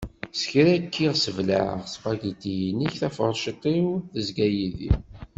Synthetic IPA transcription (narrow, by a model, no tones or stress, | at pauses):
sə̥çɾækːiʁsəvla̰ʁsqæɡit̪ijiniçθæfəɾˤʃit̪ˤiwθəzɡæjiðḭ